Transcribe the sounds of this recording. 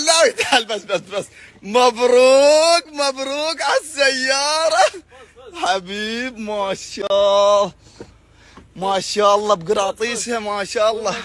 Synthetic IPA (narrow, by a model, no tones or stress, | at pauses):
laːit̪ʰalbɐsbɐsbɐsmɐbɾuːkmɐbɾuːkɐsɐjaːɾɐ | hɐbiːbmaːʃa | maːʃaːlˤːɑːbɡɾaːt̪ˤiːshemaːʃaːɑlˠˤːɑː